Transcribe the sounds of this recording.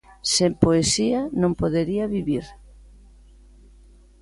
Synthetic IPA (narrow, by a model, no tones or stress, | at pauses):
sempoesianõmpoðeɾiaβiβiɾ